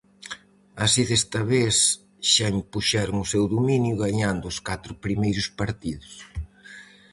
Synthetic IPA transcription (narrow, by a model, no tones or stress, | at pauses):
asiðest̪ɐβes | ʃampuʃɛɾʊŋʊsɛwðuminjʊɣaɲand̪ʊʊskat̪ɾʊpɾimejɾʊspaɾt̪iðʊs